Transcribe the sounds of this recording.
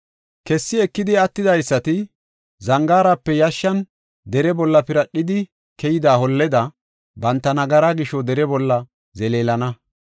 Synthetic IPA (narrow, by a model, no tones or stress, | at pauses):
kɛsːɪɛkːɪd̪ɪɐt̪ːɪd̪ɐjsːɐt̪ɪ | zɐŋɡaːɾapːɛjɐʃːɐn | d̪ɛɾɛbɔlːɐpɪɾɐɗːɪd̪ɪ | kɛjɪd̪aːhɔlːɛd̪ɐ | bɐnt̪ːɐnɐɡɐɾaɡɪʃɔd̪ɛɾɛbɔlːɐ | zɛleːlɐnɐ